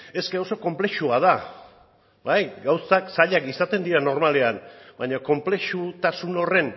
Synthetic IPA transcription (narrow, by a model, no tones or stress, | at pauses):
e̞ske̞o̞so̞ko̞mple̞ʃuað̞a | bajɡawsaksaʎakisat̪e̞nd̪iɾano̞ɾmale̞anbaɲoko̞mple̞ʃut̪asuno̞re̞n